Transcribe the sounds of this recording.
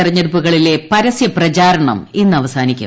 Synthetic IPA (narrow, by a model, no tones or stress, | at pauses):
irɐɲːɐɽupːuɣɐɭile̞pɐɾɐsjɐprɐt͡ɕaːɾɐɳɐ̰menːɨɐʋɐsaːnikʲːṵ